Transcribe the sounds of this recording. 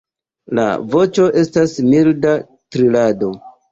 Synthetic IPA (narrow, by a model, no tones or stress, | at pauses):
la̰vo̞t͡ʃo̞ʔe̞stasmilda | tɾilado̞